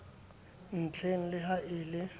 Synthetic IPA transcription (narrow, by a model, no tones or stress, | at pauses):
n̩t͡ɬʰeŋ̩lɪɦaʔɪːlɪ